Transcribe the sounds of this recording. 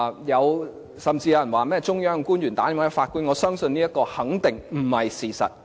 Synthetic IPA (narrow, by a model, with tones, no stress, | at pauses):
jɐ˨˧w | sɐ˨mt͡siː˧ja˨˧˥jɐ˨˩nwaː˨˩mɛː˥t͡sʊ˥ŋjœː˥ŋkuː˥njyː˨˩nt̪aː˨˥ni˨˧˥ŋaː˥faː˧t̚kuː˥nŋɔː˨˧sœː˥ŋsɵ˧nːiː˥jɐ˥t̚kɔː˧hɐ˨˥ŋt̪ɪ˨ŋm̩˨˩hɐ˨jsiː˨˩sɐ̰˨t̚